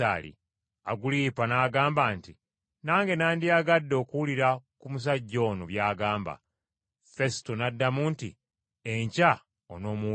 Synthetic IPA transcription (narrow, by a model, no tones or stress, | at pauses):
a̰ːlḭ | a̰ɡuliːpanaːɡaːmbaːnti | naːŋɡe̞naːndiaɡadːo̞ːkuwuliɾakumus̬aɟːo̞ːnoβjaːɡaːmba̰ | fe̞stonadːamuntḭ | eɲca | o̰no̞ːmu